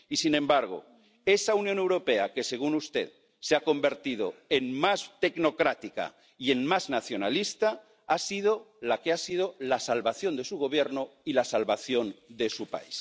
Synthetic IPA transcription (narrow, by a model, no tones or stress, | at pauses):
isinẽ̞mbaɾɣ̞o̰ | e̞saunjõne̞wɾo̞pe̞ake̞se̞ɣ̞unust̪e̞̰ð | seako̞mbe̞ɾt̪ið̞o̞̰enmast̪e̞kno̞kɾat̪ika̰ | ie̞nmaznaθjo̞nalist̪a | asið̞o | lake̞asið̞o̞lasalβaθjo̞nd̪e̞suɣ̞o̞β̞je̞ɾnoilasalβaθjo̞nd̪e̞supa̰is